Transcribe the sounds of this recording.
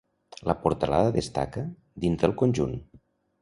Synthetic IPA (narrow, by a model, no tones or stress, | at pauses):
ləpuɾt̪əla̰ðəðəst̪a̰kə | d̪inzðəlˠkonʲʒun